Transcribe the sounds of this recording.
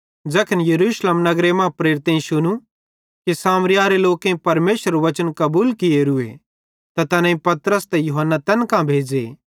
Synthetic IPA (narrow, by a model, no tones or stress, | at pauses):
d͡ʒɐkʰənjɐɾuːʃleːmnɐɡɾemãpɾeːɾɪt̪ẽĩʃʊnũ | kisaːmɾɪjaːɾeloːkẽĩpɐɾmeːʃəɾʋɐt͡ʃənkɐbuːlkɪeɾʊḛ | t̪ɐt̪ɐnãĩpɐt̪ɾəst̪ejʊɦənːat̪ɐnkãbʱeːd͡ʒḛ